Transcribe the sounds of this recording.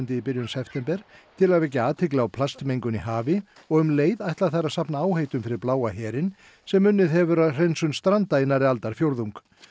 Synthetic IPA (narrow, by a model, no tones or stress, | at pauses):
nt̪ɪipɪɾjʏnsɛft̪ɛmpɛɾ̥t̪ʰɪlaðvɛc̬ːaaːt̪ʰɪklɪawpʰlast̪mejŋkʏnihaːvɪ | ɔɣʏmleːjðajht̪laθaɾaðsapnaaːwhejt̪ʏmfɪɾɪɾplaːwaɦɛːɾɪn | sɛmːʏnːɪðɦɛvʏɾaðr̥ejnsʏnst̪ɾant̪ajɪnaɾɪalt̪aɾ̥fjowɾðuŋk